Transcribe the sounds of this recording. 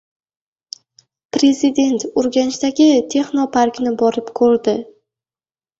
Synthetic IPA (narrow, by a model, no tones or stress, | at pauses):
pɾe̞zɪd̪e̞nt̪oɾɡʲanɪʃt̪aɡʲɪt̪ʰe̞χnopʰaɾkʲnɪbɒɾɪpkʰoɾd̪ɪ